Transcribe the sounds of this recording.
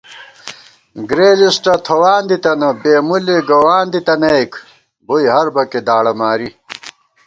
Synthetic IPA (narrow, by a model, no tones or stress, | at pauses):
ɡɾeːlisʈɐt̪ʰɐwaːnd̪it̪ɐnɐbeːmuleɡɐwaːnd̪it̪ɐnɐek | bojɦɐɾbɐked̪aːɽɐmaːɾi